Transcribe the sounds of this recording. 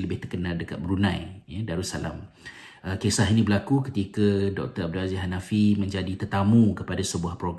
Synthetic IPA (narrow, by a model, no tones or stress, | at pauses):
ləbɪht̪ərkənaldəka̰t̪̚bəɾunãjjadaɾusa̰la̰m | ʔəkesaɦinĩbəlakukət̪ikadɔk̚t̪əab̚dulaziɦanafimə̃ɲd͡ʒadit̪ərt̪amũkəpadasəbuahpɾoɡ